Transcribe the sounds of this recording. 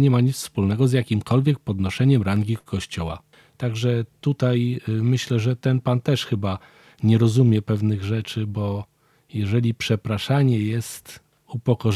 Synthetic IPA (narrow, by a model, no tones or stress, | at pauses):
ɲɛmaɲit̪sfspulnɛɡɔzjakʲimkʰɔlvʲjɛk̚pɔd̪nɔʂɛɲɛmɾaŋɡʲikkːɔɕt͡ɕɔwa̰ | t̪aɡʐɛt̪ut̪ajmɘɕlɛʐɛt̪ɛnpant̪ɛʂxɘba | ɲɛɾɔzumʲjɛpɛvnɘɣʐɛt͡ʂɘbɔ | jɛʐɛlʲipʂɛpɾaʂaɲɛjɛst̪ | upɔkɔ